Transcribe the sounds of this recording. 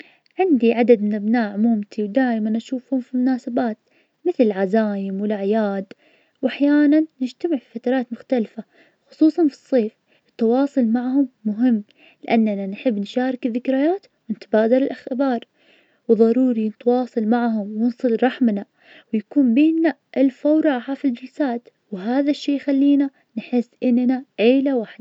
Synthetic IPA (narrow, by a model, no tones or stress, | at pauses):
ʕɪnd̪iʕad̪ad̪mɪnʔabnaːʕʊmuːmt̪ʰiwd̪aːʔɪmanʔaʃuːfhʊmfimʊnaːsabaːt̪ | mɪθlɪlʕazaːjɪmwɪlʔaʕjaːd̪ | wʔaħjaːnanːɪd͡ʒt̪amɪʕfi̥fat̪ɑɾˤɑːt̪mʊxt̪alfa | xʊ̥sˤuːsˤɑnfɨ̥sˤːeːf | ʔɪt̪ːɑwɑːsˤʊlmaʕhʊmːʊɦɪmː | lɪʔanːananħɪbːnʃaːɾˤɑkɪðːɪkɾɪjaːt̪ | wɪnɪt̪baːd̪ɑlɪlʔaxɪbɑːɾˤ | wðˤɑɾˤuːɾinɪt̪wɑːsˤɑlmaʕhʊmwɪnsˤɨlɾˤɑħmna | wjakuːmbeːnːaʔɪlfawɾˤɑːħafild͡ʒɪlsaːt̪ | wɦaːðaʃːeːjxalːiːna | nħɪsːʔɪnːnaʕeːlawaħd̪a